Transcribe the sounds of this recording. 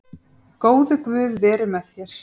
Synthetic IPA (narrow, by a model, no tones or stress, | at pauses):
koːwðɪkvʏːðvɛːɾɪmɛðçjɛɾ̥